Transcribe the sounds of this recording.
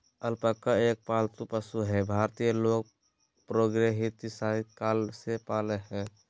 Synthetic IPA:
əlpəkːaeːk̚palt̪upəsuɦɛbʱaɾt̪ijəloːɡ̚ | pɾoːɡɾeɦit̪isaikaːlsepaːleɦɛ

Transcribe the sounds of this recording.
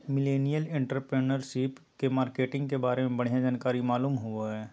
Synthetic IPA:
mɪleːnijəlɪ̃ɳʈəɾpɾeːnəɾʃɪpkemaːɾkeːʈɪ̃ŋɡkebaːɾemẽbɐɽ̤jãd͡ʒaːnkaːɾimaːluːmɦʊaɦɛː

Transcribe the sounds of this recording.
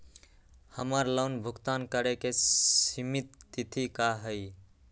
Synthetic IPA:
həməɾləʊnbʱukt̪ankəɾekeimit̪ːit̪ʰikaɦəɪ

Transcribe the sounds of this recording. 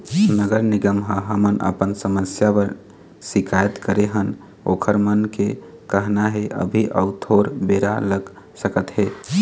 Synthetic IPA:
nəɡəɾniɡəmɦə̃ɦəmənʔə̰pənsəməsjapəɾ | sikʰajət̪kəɾeɦən | o̰kʰəɾmənke | kəɦnaɦeʔə̰bʱiʔəʊt̪ʰoɾbeɾaləɡ | səkət̪ɦe

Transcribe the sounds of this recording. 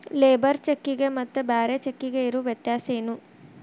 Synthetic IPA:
leːbɐɾt͡ʃekːiɡemɐt̪ːɨbaːɾɐt͡ʃekːiɡeiɾuʋjet̪jaːseːnu

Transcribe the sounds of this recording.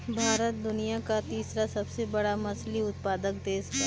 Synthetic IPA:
bʱaːɾət̪̚d̪ʊnijakat̪iːsɾasɐbsebɐɽamɐsliʊt̪̚paːd̪ək̚d̪eːska

